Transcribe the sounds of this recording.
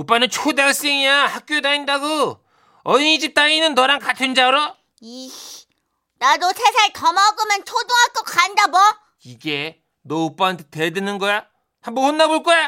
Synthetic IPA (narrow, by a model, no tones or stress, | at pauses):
ɯp͈anɯnt͡ɕʰodaɭs͈eŋijahak̚k͈jodaindaɡo | ʌiɲid͡ʑit͈ainɯnːʌɾaŋkatʰɯnd͡ʑaɾo | i | nadosʰesʰaɭtʌmaɡomʌnt͡ɕʰodoɦak͈okandabʌ | iɡe | nʌup͈ant̪ʰetedɯnɯnɡʌja | hambʌhonːaboɭk͈ʌja